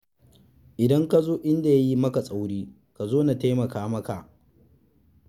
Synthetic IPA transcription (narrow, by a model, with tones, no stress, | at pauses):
ʔɪ˨dɐ˦ŋka˦zoː˦ʔɪ˦nda˨ja˦ji˦mɐ˦ka˨sʼa˦wɽiː˦ | ka˨zoː˦na˨ta˦jmɐ˨kaː˦mɐ˦ka˨ʔ